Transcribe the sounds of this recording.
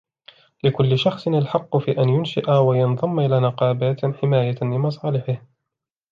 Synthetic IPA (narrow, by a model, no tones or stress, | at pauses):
lɪkʊlːɪʃɑxsˤɨnalħɑqːʊfiːʔanjʊnʃɪ̰ʔawajɑnðˤɑmːʔɪlaːnɪqɑːbaːt̪ħɪmaːjalɪmɑs̬ˤɑːlɪħɪh